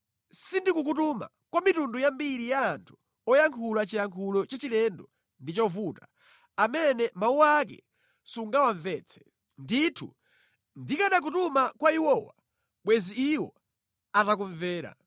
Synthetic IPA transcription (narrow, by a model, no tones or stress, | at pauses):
sindikuk̬utuma̰ | kwamitundujambiɾijaːntʰu̥ | ɔjaŋkʰulat͡ʃijaŋkʰulɔt͡ʃat͡ʃilɛndɔ | ndit͡ʃɔvuta | amɛnɛmauak̬ɛ̰ | suŋɡawaɱvɛːt͡sʰɛ̥ | nditʰṵ | ndikaɗak̬utumakwaiwɔwa̰ | ɓwɛziːwɔ̰ | atak̬uɱvɛːɾa̰